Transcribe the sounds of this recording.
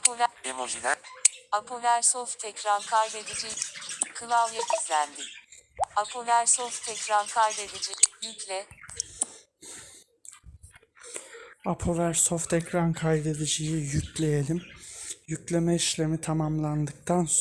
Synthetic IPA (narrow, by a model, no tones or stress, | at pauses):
pʰovemozilɛapʰovæɾsoft̪ʰɛcɾankʰajd̪ed̪id͡ʒikʰɯlˠalˠjakʰizlʲænd̪iapʰovæɾsoft̪ʰɛcɾankʰajd̪ed̪id͡ʒiiiclʲɛ | apʰovæɾsoft̪ɛcɾankʰajd̪e̞d̪id͡ʒijijyclʲejelʲimjyclʲe̞mɛiʃlʲe̞mit̪ʰamamlˠand̪ɯk̚t̪ʰans